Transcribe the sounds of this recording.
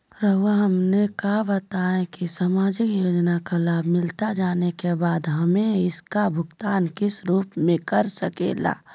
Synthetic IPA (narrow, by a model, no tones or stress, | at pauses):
ɾəɦaɦɐmnekaːbət̪aːẽkisəmaːd͡ʒɪkjoːd͡ʒnakalaːbʱmɪlt̪ad͡ʒaːnekebaːd̪ɦɐmẽɪskabʱʊɡt̪aːnkɪsɾuːpmẽkɐɾsəkḛːla̰ː